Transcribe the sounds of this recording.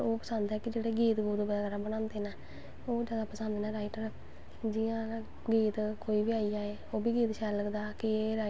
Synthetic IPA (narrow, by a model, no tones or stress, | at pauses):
oːpəsənd̪ɦɛːkɪd͡ʒeːɽeːɡiːt̪ɡuːd̪obəaːkəɾãːbəñãːnd̪eːnãː | oːd͡ʒaːd̪aːpəsənd̪eːnãːɾaːiʈəɾ | d͡ʒijãː | ɡiːt̪koːiːbiːaːiaːeːoːbiːɡiːt̪ʃɛːləkd̪aːkɪeɾaː